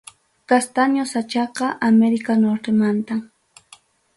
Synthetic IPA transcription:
kast̪anjosat͡ʃɑqɑʔameɾɪkanoɾt̪emant̪a

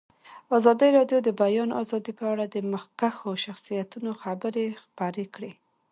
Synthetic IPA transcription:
ɑzɑd̪iɾɑɖjod̪əbajɑnʔɑ̰zɑd̪ipəaɽad̪əməxkaxoʃaxsijat̪unoxabəɾexpɑɾekɽe

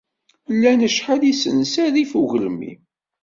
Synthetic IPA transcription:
lːænəʃħalisənsæðifuʝələmḭ

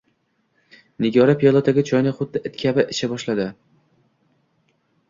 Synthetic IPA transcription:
nɪɡʲɒɾapʰijɒlˠat̪ʰaɡʲat͡ʃʰɒjnɪχʊd̪ːɪʔɪt̪kʲʰabɪʔɪʃabɒʃlad̪ɪ

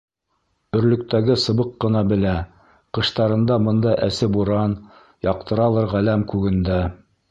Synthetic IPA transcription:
ɵ̆ɾlɵ̆k̚t̪æɡɘsɤ̆βɤqːɤ̆nɑbɘ̆læ | qɤ̆ʃt̪ɑɾɤ̆nd̪ɑbɤ̆nd̪ɑʔæsɘbuɾɑn | jɑq̚t̪ɤ̆ɾɑlˠɤɾʁælæmkʉɡɘ̆nd̪æ

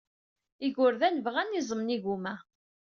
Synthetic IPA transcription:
iʝʊɾðænəvʁænːizˤəmniʝumæ

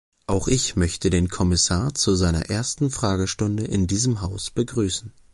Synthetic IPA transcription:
ʔaʊxʔɪçmœçtədeːnkʰɔmɪsaːɐt͡suzaɪnɐ̰ʔeːɐstn̩fʁ̥aːɡəʃtʊndəʔɪndiːzəmɦaʊsb̥əɡʁyːsn̩

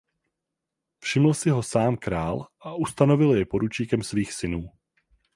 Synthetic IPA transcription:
fʃɪml̩sɪɦo̞saːmkɾaːlʔaʔust̪ano̞vɪljɛpo̞ɾut͡ʃiːkɛmsviːxsɪnuː

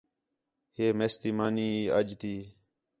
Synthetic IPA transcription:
heːmeːst̪iːmaːniːəd͡ʒt̪iː

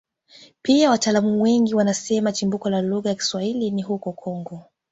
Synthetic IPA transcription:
piawataːlamuwɛŋɡiwanasɛmat͡ʃimbukɔlaluɣajaki̥swahiliniɦukɔkʰɔŋɡɔ

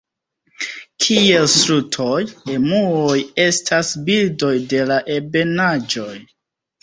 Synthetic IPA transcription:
kʰie̞lsɾutʰo̞je̞muoje̞stʰasbildo̞jde̞laʔebe̞nad͡ʒo̞j

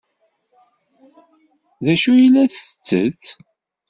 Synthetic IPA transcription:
ðæʃujilːæθət͡sːə̰t͡s

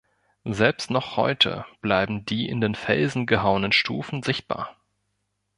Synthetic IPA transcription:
zɛlpstnɔχhɔ̰ʏtʰə̰b̥laɪbm̩diːʔɪ̰ndeːnfɛ̰lzn̩ɡəɦaʊənənʃtʰuːfn̩zɪçt̚b̥a̰ːɐ

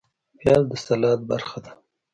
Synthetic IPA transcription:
pjɑld̪əsalɑd̪̚ba̰ɾxad̪a

